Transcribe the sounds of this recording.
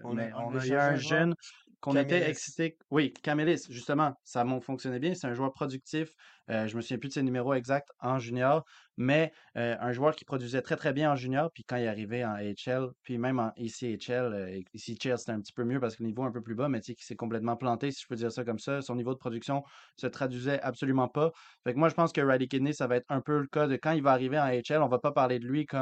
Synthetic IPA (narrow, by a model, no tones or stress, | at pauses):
ɛ̃ɛ̃ʒœn | kɔ̃nneɛɛksit̪e | wikamelisʒyst̪əmɑ̃samɔ̃fɔ̃ksjɔnɛbjɛ̃set̪ɛɛ̃ʒwœːʁpχɔd̪yk̚t̪if | øʒəməsuvjɛ̃pyd̪əsenymeʁoɛɡzak̚t̪ɑ̃ʒynjɔːʁmɛ | øɛ̃ʒwœːʁkʲi̥pχɔd̪ɥizɛt̪χɛt̪χɛbjɛ̃ɑ̃ʒynjɔːʁpɥikɑ̃ilaʁiveɑ̃ɛt͡ʃɛlpɥimɛ̃mɑ̃ʔisiɛt͡ʃɛløisit͡ʃɛlse̥t̪ɛɛ̃p̚t̪i̥pømjøpaʁsə̥kələnivoɛ̃pøplybamɛt͡sekʲi̥sɛkɔ̃plɛt̪mɑ̃plɑ̃t̪esi̥ʒ̥ə̥pød̪iːʁsakɔmsasɔ̃nivod̪əpχɔd̪yksjɔ̃sət̪χad̪ɥizɛʔabsɔlymɑ̃pafɛkmwaʒəpɑ̃skəʁalikʲenesavaɛt̪χɛ̃pøləkad̪əkɑ̃ilvaːʁiveɑ̃ɛt͡ʃɛlɔ̃vapapaʁled̪əlɥikɔ